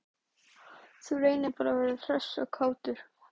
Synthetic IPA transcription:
θureːjnɪpaːɾavɛːɾɪθɾœsɔɣkʰaːwt̪ʏɾ̥

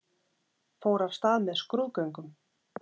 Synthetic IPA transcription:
foːwɾav̥st̪aːðmɛðskɾuðkœɥŋkʏm

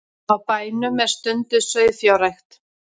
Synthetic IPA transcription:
awpaːjnʏmɛð̥st̪ʏnt̪ʏðsœɥðθjawɾajxt̪

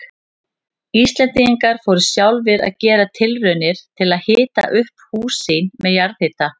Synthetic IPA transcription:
ist̪lɛnt̪iiŋkaɾ̥foːwɾʏsjawlvɪða̰ðcɛːɾat̪ʰɪlrœɥnɪɾ̥t̪ʰɪlaðhɪːt̪a̰ʔʏhphuːsinmɛðjaɾðhɪt̪a

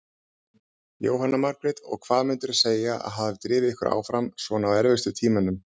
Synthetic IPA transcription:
jo̰ːwɦanːamaɾkɾɛt̪ɔ̰ɣkʰv̥aːðmʏnt̪ʏɾseːjaʔa̰ðɦaðvɪt̪ɾɪːvɪɪhkʏɾa̰ːwfɾamsvɔnawɛɾvɪst̪ʏt̪ʰiːmanːʏm

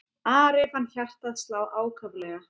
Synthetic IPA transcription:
aːɾɛvhanːçar̥t̪aðst̪laːwʔaːwkʰœvlɛːɣa

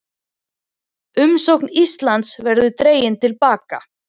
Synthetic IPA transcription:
ʏmsowknist̪lant̪svɛɾðʏt̪ɾeːjɪnt̪ʰɪlpaːka̰

